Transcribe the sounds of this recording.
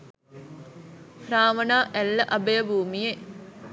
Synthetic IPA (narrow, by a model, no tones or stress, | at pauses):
praːʋənaːʔɛlːəʔɐbejəbʱuːmije